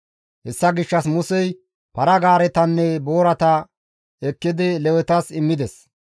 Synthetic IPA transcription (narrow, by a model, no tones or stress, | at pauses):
hɛsːɐɡɪʃːɐs̬mʊsɛj | pɐɾɐɡaːɾɛt̪ɐnːɛbo̞ːɾɐt̪ɐ | ɛkːɪd̪ɪlɛwɛt̪ɐsɪmːɪd̪ɛs